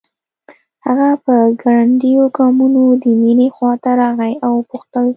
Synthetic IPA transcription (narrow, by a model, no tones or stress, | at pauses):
haɣapəɡaɽand̪ijoɡɑmunod̪əminexwɑt̪aɾɑɣajawpʊxt̪əl